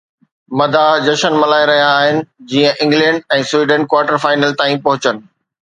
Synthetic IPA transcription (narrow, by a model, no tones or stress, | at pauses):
mɐd̪ʱad͡ʑɐʃənmɐlaːɪɾɐɦijaːɦɪnɪ̆d͡ʑiːə̃ʔɪ̃ŋɡlɛ̃ːɳɖɛ̃ːswiːɖə̃ɳʈ̚kwaːɾʈəɾfaːɪnəlt̪ãːĩpɐɦʊt͡ɕənɪ̆